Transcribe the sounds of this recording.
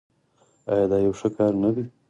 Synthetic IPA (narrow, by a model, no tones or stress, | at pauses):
ɑjɑd̪ɑjawʂəkɑɾnad̪i